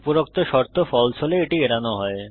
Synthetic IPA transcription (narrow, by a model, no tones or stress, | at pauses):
puɾokt̪oʃɔɾt̪ʰofɔlt͡ɕʰoleeʈieɾanoɦɔe